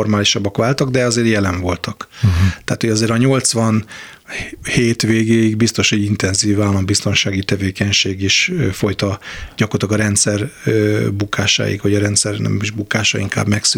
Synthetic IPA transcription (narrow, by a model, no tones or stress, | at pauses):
ormaːliʃɒbːɒkʋaːlt̪ɒɡd̪ɛɒzeːɾjɛlɛɱvo̞lt̪ɒkt̪a̰ːt̪ho̞ɟɒzeːɾɒɲo̞lt̪sʋɒn | heːt̪ʋeːɡeːjiɡbist̪o̞ʃhoɟint̪ɛnziːvaːlːɒmbist̪o̞nʃaːɡit̪ɛveːkɛɲʃeːɡiʃfo̞jt̪ɒɟɒkort̪ɒɡɒɾɛnt̪sɛrøbukʰaːʃa̰ːḭkʋɒɟɒɾɛnt̪sɛrnɛ̰miʒbukaːʃɒ̰ḭŋka̰ːbmɛks